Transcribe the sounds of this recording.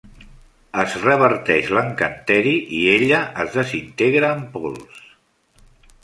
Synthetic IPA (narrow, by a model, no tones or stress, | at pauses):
əzrəβ̞əɾt̪ɛʃləŋkənt̪ɛɾiʔieʎəʔəzðəzint̪eɣɾaːmpɔlˠs